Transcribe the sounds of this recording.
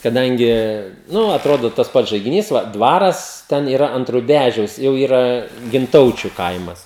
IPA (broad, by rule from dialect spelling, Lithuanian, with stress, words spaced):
kɐˈdɐŋʲɡʲɪ ˈnʊ ɐtˈroːdoː tɐs ˈpɐts ʒɐɪɡʲɪˈnʲiːs ˈʋɐ ˈdʋɑːrɐs tʲɛn iːˈrɐ ɐnt rʊˈbʲæʒʲɛʊs jɛʊ ˈiːrɐ ɡʲɪnˈtɐʊt͡ʃʲʊ ˈkɐɪmɐs